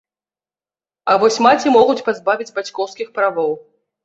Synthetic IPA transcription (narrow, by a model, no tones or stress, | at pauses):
avɔsʲmat͡sʲimɔɣut͡sʲpazbavʲid͡zʲbat͡sʲkɔwskʲixpɾavɔw